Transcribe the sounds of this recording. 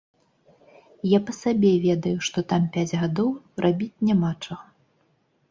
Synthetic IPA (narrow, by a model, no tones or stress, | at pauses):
japɐsabʲɛvʲɛd̪ɐjuʂt̪ɔt̪ampʲad͡zʲɣad̪ɔwrʔabʲit͡sʲnʲamat͡ʂɐɣɐ